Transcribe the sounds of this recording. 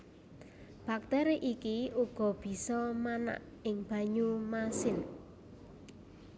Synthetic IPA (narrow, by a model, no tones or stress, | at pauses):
b̥ak̚t̪ɛɾeʔikiuɡ̥ɔ̤b̥i̤sɔmana̰ʔ | ɪŋb̥ä̤ɲumasɪn